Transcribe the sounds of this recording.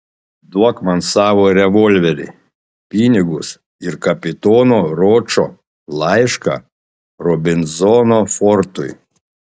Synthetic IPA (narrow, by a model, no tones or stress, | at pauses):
d̪uɔkmɐnsɑːʋoɾʲɛʋɔlʲʋʲɛɾʲɪ̰ | pʲinʲɪɡʊs | ɪɾkɐpʲɪt̪ɔːnoːɾɔːt͡ʃɔ | lˠɑɪʃkɐ̰ | ɾɔbʲɪnzɔnofɔɾt̪ʊj